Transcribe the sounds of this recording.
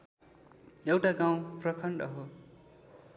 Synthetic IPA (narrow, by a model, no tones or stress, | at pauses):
jewʈaɡãw̃prʌkʰʌɳɖʌɦo